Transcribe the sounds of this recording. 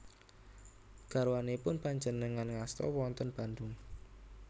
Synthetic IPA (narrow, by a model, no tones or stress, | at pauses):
ɡ̥a̤ɾuwanepʊnpaɲd͡ʒənəŋanŋast̪ɔ̰wwɔnt̪ɔnb̥a̤nd̪ʊŋ